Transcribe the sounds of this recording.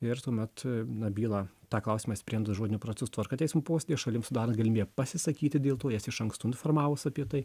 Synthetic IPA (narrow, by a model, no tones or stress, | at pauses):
ɪɾt̪uɔmʲɛt̪nɐbʲiːlˠɑːt̪ɑːklˠɐʊsʲimɑːsʲpʲɾʲiːɛnd̪ʊsʒoɔd̪ʲɪnʲʊpɾɐt͡s̪ʲʊst̪ʋɐɾkɑtʲɛɪsʲmʊpoːsʲed̪ʲijɛʃɐlʲɪmsʊd̪ɑːɾɐnt̪ɡɐlʲɪmʲiːbɛpɐsʲɪsɐkʲiːt̪ʲɪd̪ʲeːlˠt̪oːjɛsɪʃɐŋkst̪uːɪnfɔrmɑːʋosɐpʲiɛt̪ɐɪ